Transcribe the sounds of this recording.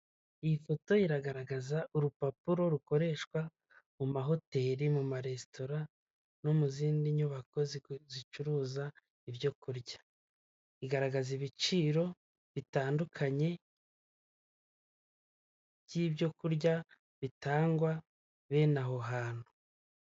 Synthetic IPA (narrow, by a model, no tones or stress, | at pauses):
ijifo̞to̞iɾaɡaɾaɡazaʔuɾupapuɾo̞ɾuko̞ɾe̞ʃkwa | mumaɦo̞te̞ɾimumaɾe̞sto̞ɾa | nomuziːndiɲuβako̞zizit͡ʃuɾuːza | iβjo̞kuɾɟḁ | iɡaɾaɡaziβit͡ʃiːɾo̞ | βitaːndukʰaɲe̞ | ɟiːβjo̞kuɾɟa | βitaːŋɡwa | βe̞ːnaɦo̞ɦaːn̥u